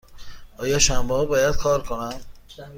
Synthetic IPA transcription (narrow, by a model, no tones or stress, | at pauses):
ʔɒːjɒːʃæmbɒːbɒːjæd̪̥̚kʰɒːɾkʰonæm